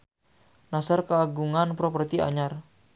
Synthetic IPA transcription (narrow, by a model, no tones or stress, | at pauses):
nasarkaːɡuŋanpɾopərt̪iʔa̰ɲar